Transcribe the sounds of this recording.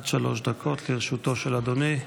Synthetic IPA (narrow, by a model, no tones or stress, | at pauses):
d̪ʃalo̞ʃd̪akʰo̞t̪liʁeʃuto̞ʃelad̪oni